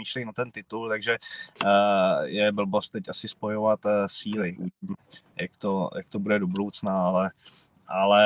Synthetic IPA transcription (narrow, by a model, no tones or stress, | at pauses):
iːʃlɛjnat̪ɛnt̪ɪt̪ult̪aɡʒɛ | jɛbl̩bost̪t̪ɛcasɪspo̞jovat̪siːlɪʔuimjakt̪oja̰k̚t̪obudɛdobɾowt͡snaalɛ | ʔalɛ